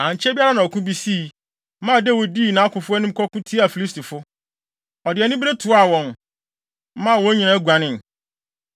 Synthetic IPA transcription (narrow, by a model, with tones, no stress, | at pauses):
ã˨ɲ˨t͡ɕʰɛ˦bi˦a˦ɾa˦nã˨ɔ˨kʰʊ̃˦bi˦si˦˨˦ | mã˦˨dɛ˦˨wo˨di˦˨nã˨˦a˦kʰʊ̃˨fʊ˦ɛ˦nʊ̃˦m̩˦kʰɔ˦kʊ̃˦tʰi˦a˨fi˨li˦stʰi˨fʊ˦ | ɔ˨dɪ˨ɛ˨nɪ̃˦be˦tʰʊ˨˦a˦˨wɔ̃˨n̩˦ | mã˦˨wɔ˦ɲĩ˨nã˨˦ɡʷa˨nɪ̃˦˨n˨